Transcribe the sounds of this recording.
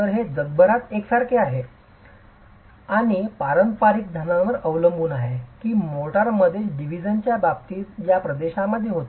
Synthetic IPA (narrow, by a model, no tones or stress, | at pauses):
əɾɦed͡zəd̪̚bʱəɾat̪eksaɾkeaɦe | aɽ̃ipaɾənt̪paɾik̚d̪ʱjanãʋəɾəʋləmbuːnaɦekiːmoʈəɾməd̪ʱjeɖiʋid͡ʑənt͡ɕjabab̚t̪iːt̪japɾəd̪eɕaməd̪ʱːjeɦot̪